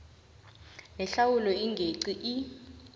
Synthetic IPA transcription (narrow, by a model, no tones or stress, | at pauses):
nɛɬawulɔiŋɡʱeǀiʔi